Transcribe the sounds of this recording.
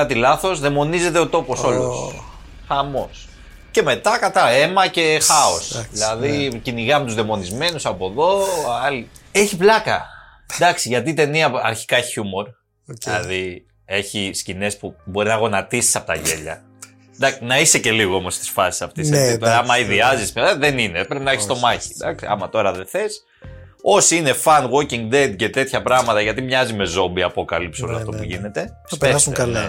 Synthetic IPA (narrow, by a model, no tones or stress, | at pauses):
ɐt̪ilɐθo̞zðemo̞nize̞t̪e̞o̞t̪o̞po̞so̞los | xɐmo̞s | ce̞me̞t̪ɐkɐt̪ɐe̞mɐce̞xɐo̞sðilɐðiciniɣɐmet̪uzðemo̞nizme̞nusɐpo̞ðo̞ɐli | e̞çiplɐkɐ | d̪ɐksiʝɐt̪it̪e̞niɐɐ̰ɾçi̥kɐçiçumo̞ɾ | ɐði | e̞çiscine̞spubo̞ɾinɐɣo̞nɐt̪isi̥sɐpo̞t̪ɐʝe̞ʎɐ̰ | d̪ɐnɐise̞ce̞liɣoo̞mo̞st̪i̥sfɐsi̥sɐft̪ist̪oɾɐɐmɐiðiɐzismðenine̞pɾepinɐeçist̪o̞mɐçi̥d̪ɐksiɐ̰mɐt̪o̞ɾɐðe̞θe̞s | o̞siine̞fɐnɣo̞ciŋɡd̪ed̪̚ce̞t̪e̞t̪çɐpɾɐɣmɐt̪ɐʝɐt̪imɲɐzime̞zo̞mbiɐpo̞kɐlipsioloɐft̪o̞puʝine̞t̪e̞ | speseɐlɐe